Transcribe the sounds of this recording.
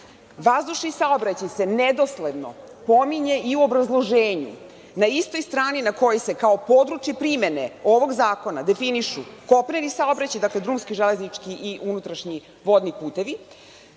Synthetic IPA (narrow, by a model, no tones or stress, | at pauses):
ʋazd̪uʃnisaobɾat͡ɕajse̞ned̪o̞sle̞d̪no̞̰ | po̞miɲe̞ʔiuobɾazlˠo̞ʒeːɲṵ | naist̪o̞jst̪ɾaːninako̞jese̞kao̞po̞d̪ɾut͡ʃjepɾime̞ne̞o̞ʋo̞ɡzaːko̞nad̪e̞finiʃuko̞pneɾisaobɾat͡ɕajd̪akle̞d̪ɾuːmskiʒeleznit͡ʂkiʔiʔunut̪ɾaʃɲi | ʋo̞d̪nipuːt̪e̞ʋi